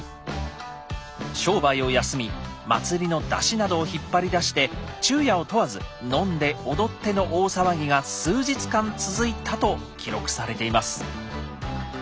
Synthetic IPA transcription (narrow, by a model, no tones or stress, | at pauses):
ɕo̞ːbaio̞jasɨmʲima̰t͡sɨɾʲino̞d̪a̰ɕinad̪o̞ːçipːaɾʲid̪aɕi̥t̪e̞t͡ɕɨːjao̞t̪o̞βazɨnõ̞nd̪e̞o̞d̪o̞t̪ːe̞no̞ʔoːsaβaɡʲiɡasɨːʑit͡sɨ̥kãnt͡sɨzɨit̪ʰat̪o̞kʲiɾo̞kɯ̟̥saɾe̞t̪e̞imasɨ̥